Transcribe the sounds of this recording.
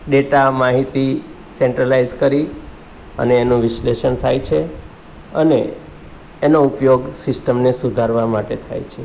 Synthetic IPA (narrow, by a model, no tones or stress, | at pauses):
ɖeʈamaɦit̪i | seɳʈɾəlaizkəɾi | ə̰neːnũʋɪsleʃənt̪ʰajt͡ʃʰe | əneː | noupjoɡsɪsʈəmnesud̪ʱaɾʋamaʈet̪ʰa̰jt͡ʃʰe